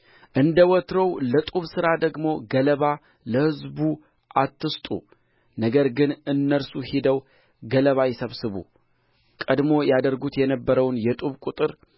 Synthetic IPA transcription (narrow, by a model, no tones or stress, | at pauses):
ʔɨnd̪əwɔt̪ɾəwlət̪ʼuβsɨɾad̪əɡmo̞ɡələβa | ləhɨzbu | ʔat̪ːɨst̪ʼṵ | nəɡəɾɡɨnɨnːəɾsuhed̪əw | ɡələβajɛsəβsɨβṵ | kʼəd̪mo̞jad̪əɾɡut̪jɛnəbːəɾəwnjɛt̪ʼuβkʼut̪ʼɨɾ